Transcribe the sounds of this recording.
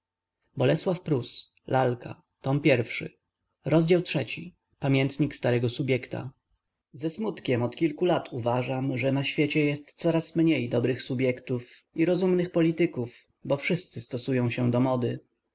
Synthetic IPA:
bɔlɛswafpɾus | lʔalka̰ | t̪ɔmpʲjɛɾfʂɘ̰ | ɾɔzd͡ʑawtʂɛt͡ɕi | pamʲjɛnt̪ɲikst̪aɾɛɡɔsubʲjɛkt̪a̰ | zɛsmut̪kʲɛmɔt̪kʲilkulat̪ʰuvaʐamʐɛnaɕfʲjet͡ɕɛjɛst̪t̪sɔɾasmɲejd̪ɔbɾɘxsubʲjɛkt̪uf | iɾɔzumnɘxpɔlʲit̪ɘkuf | bɔfʂɘst̪sɘst̪ɔsujɔ̃w̃ɕɛd̪ɔmɔd̪ɘ

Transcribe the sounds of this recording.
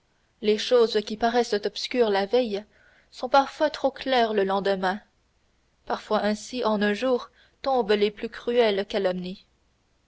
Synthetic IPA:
leʃozkʲipaʁɛsət̪ɔpskʲyːʁlavɛj | sɔ̃paʁfwat̪χoklɛːʁləlɑ̃d̪əmɛ̃ | paʁfwaʔɛ̃siʔɑ̃nœ̃ʒuːʁ | t̪ɔ̃bleplykʁyɛlkalɔmni

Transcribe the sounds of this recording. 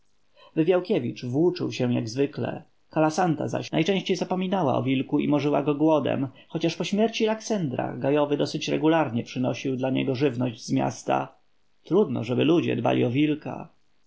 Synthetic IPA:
vɘvʲjawkʲɛvʲit͡ʂvwut͡ʂɘ̰wɕɛw̃jaɡzvɘklɛ̰ | kalasant̪a̰za̰ɕnajt͡ʂɛ̃ɕt͡ɕejzapɔmʲinawaɔ̰vʲilkuimɔʐɘwa̰ɡɔɡwɔd̪ɛ̰m | xɔt͡ɕaʂpɔɕmʲjɛɾt͡ɕilaksɛnd̪ɾa̰ɡajɔvɘd̪ɔsɘt͡ɕɾɛ̰ɡulaɾɲɛpʂɘnɔɕiwd̪laɲɛ̰ɡɔʐɘvnɔʑd͡ʑzmʲja̰st̪a̰ | t̪ɾud̪nɔ̰ʐɛbɘlud͡ʑɛ̰d̪ba̰lʲḭɔvʲilka̰

